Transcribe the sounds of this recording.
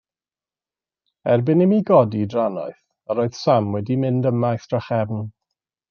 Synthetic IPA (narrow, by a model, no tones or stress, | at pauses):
ɛrbɪnɪmiɡɔdidranɔ̰ɨθ | aɾoːɨð̥samwɛdimɪndəmajθd̥raχɛvn